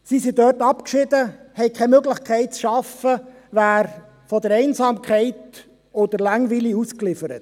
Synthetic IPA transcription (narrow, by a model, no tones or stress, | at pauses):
sisidœːtɑpkʃɪdəhɛɪkʰɛmøɡlɪχkχɛɪt̚t͡sʃɑfə | væːɾ | fɔdəɾɛɪnsɑːmkʰɛɪt | ɔd̥̪əɾlaŋviliusklɪfəɾət